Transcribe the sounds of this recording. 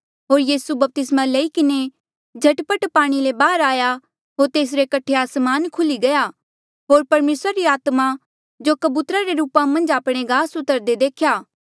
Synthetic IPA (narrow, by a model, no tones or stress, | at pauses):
ɦoːɾjiːsubɐp̚t̪ɪsmalɐikɪne | d͡ʒʱɐʈpəʈpaːɽ̃ilebaːɾaːja | ɦoːɾt̪eːs̬ɾekɐʈʰːeaːsmaːnkʰʊliɡɐja | ɦoːɾpɐɾmeːsɾaɾiaːt̪ma | d͡ʒokɐbuːt̪ɾaɾeɾuːpãmɐ̃nd͡ʒaːpɽ̃eɡaːsʊt̪əɾd̪ed̪eːkʰjaː